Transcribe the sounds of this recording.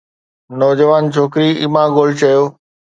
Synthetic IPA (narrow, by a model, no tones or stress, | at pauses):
nɔːd͡ʑəʋaːnt͡ɕʰoːkɾiɪmãːɡoːlt͡ɕɐjoː